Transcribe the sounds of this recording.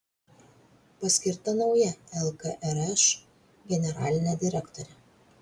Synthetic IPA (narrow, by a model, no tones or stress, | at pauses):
pɐsʲkʲɪɾt̪ɐnɒʊjɛɛlˠkɐʔɛɾɛʃ | ɡʲɛnʲɛɾɑ̰ːlʲɪnʲɛd̪ʲɪɾʲɛkt̪ɔɾʲɛ